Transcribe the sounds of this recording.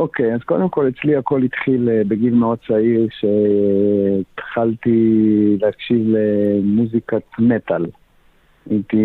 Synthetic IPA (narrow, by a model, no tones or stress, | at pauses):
ʔokejazko̞d̪emko̞let͡sliako̞lit̪χilbeɡilmeo̞d̪̚t͡saiʁʃe | t̪χalt̪ileakʃivlemuzikatmet̪al | a̰it̪i